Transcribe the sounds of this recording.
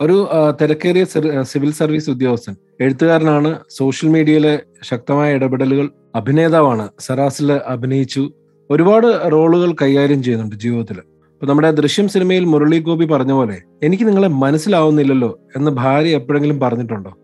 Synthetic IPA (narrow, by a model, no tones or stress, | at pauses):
o̞ɾut̪iɾɐkːeːrijɐsiʋilsɐrʋiːsud̪jo̞ːɐst̪ɐn | e̞ɻut̪ːuɣaːɾɐnaːɳɨso̞ːʂjɐlmiːɽijɐjile̞ | ɕɐk̚t̪ɐmaːjɐiɽɐbiɽɐluɣɐɭ | ɐbʱine̞ːðaːʋaːɳɨsɐɾaːsilɨʔɐbʱinɐjit͡ɕːu | o̞ɾubaːɽɨro̞ːɭuɣɐɭkɐjːaːɾjɐmt͡ɕe̞junːuɳɖɨd͡ʑiːʋʋɐt̪ːil | ɐpːoːnɐmːuɽe̞d̪rɨɕjɐmsinimɐjilmuɾɐɭik̬ːo̞ːbipɐrɐɲːɐpo̞ːle̞̰ | enikʲːɨniŋːɐɭemɐnɐsːilaːʋunːilːɐlːo̞ːe̞nːɨbʱaːɾjɐepːoːɻeŋɡilumpɐrɐɲːiʈːuɳɖoː